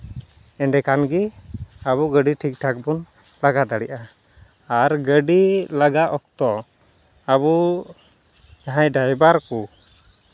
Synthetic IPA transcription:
ɛɳɖɛkanɡiaβuɡəɖiʈʰik̚ʈʰak̚bun | laɡad̪aɽɛʔaː | ɾɡəɖilaɡaɔkt̪ɔ | aβu | d͡ʒaɦajɖajbaɾku

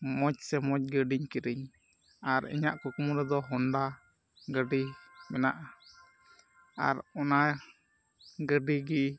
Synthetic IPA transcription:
mɔc̚sɛmɔc̚ɡəɖiɲkiɾiɲ | aɾḭɲaʔkukumuɾɛd̪ɔɦɔnɖa | ɡəɖimɛna̰ʔa | a̰ɾɔna | ɡəɖiɡi

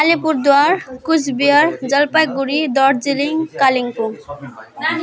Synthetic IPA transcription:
alipuɾd̪waɾkusbiəɾd͡zʌlpajɡuɾid̪ɔɾd͡ziliŋkaliŋpuŋ

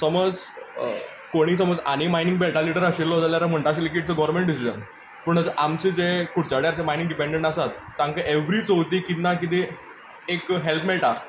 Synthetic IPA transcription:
səməd͡z | koɽ̃iːsəməd͡za̰ñimajnĩŋɡbelʈaliɽəɾaɕillːɔd͡zaljaɾam̤əɳʈaɕ̬ilek̬iʈt͡səɡɔʋɾmẽɳʈ̚ɖisid͡ʑə̰n | pəːɳəsəʔamt͡ɕed͡zekuʈt͡ɕaɽjaɾt͡ɕemajnĩŋɡɖipẽɳɖeɳʈasat̪ːãŋkeʔeʋɾiːt͡soʋt̪ikit̪nakit̪e | ekɦelpmeɭʈa

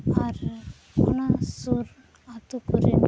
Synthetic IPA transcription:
aɾ | onasuɾ | at̪ukuɾe

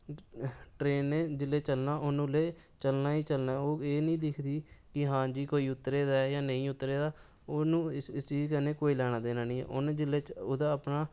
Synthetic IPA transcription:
ʈɾeːnːeːd͡ʒɪleːt͡ʃəlnaːʔʊnũːleːt͡ʃəlnaːiːt͡ʃəlnaːoːeːnĩːd̪ɪkʰd̪iːkɪɦãːd͡ʒiːkoːiːʊt̪ːɾeːd̪aːjaːnəĩːʊt̪ːɾeːd̪aː | oːnũːɪsiːkənẽːkoːiːlɛːɽ̃ãːd̪eːnaːnĩːɛ̰ːʔʊnd͡ʒɪleːʊd̪aːəpnaː

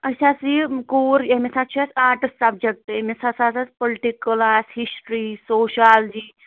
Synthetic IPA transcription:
ɐsasikoːɾemesat͡ʃʰasaːʈsɐbd͡ʒek̚ʈemesasasaspoliʈikːlashisʈɾisoːʃald͡ʒiː

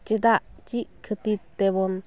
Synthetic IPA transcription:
t͡ʃed̪aʔt͡ʃikʰət̪it̪ːebon

